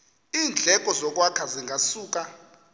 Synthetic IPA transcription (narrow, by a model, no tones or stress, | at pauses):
iːnd͡ɮʱɛkʼɔzɔk̬ʼwakʰaziŋɡʱasuːk̬ʼa